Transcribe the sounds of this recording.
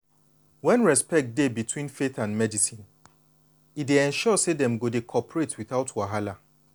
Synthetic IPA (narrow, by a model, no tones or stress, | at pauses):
wɛ̃nɹɛspɛk̚t̚debitʰwĩnfeθãnmɛdisĩn | ideɛ̃nʃɔsedɛ̃mɡodekʰɔpɹetʰwiθaʊtʰwaɦala